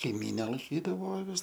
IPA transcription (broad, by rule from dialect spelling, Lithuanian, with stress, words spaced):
kɐɪˈmʲiːnʲɛ lˠɐɪˈkʲiːdɐʋoː ɐˈʋʲɪs